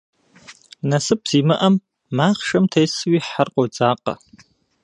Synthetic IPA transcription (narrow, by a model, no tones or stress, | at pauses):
nɐsɨp̚z̥imɨʔɐmː | aːχʂɐmtʰejswiħarqʷʼod͡zaːqʼɐ̰